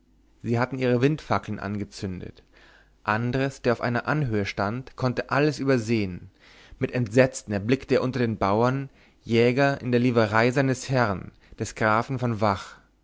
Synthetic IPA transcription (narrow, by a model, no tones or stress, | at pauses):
z̥iːɦatn̩ʔiːʁ̞əvɪntfakl̩n̩ʔa̰nɡət͡sʏndə̰t | ʔandəʁəsd̥eːɐaʊfʔaɪnɐʔanɦøːəʃtantkʰɔntəʔaləsʔyːbɐzeːən | mɪtɛntz̥ɛt͡stn̩ɛɐblɪktəeːɐʔʊntɐdeːnbaʊɐn | jɛːɡɐʔɪ̰ndeːɐliːvəʁaɪzaɪnəshɛʁn | d̥ɛsɡ̥ʁaːfn̩fɔnvaχ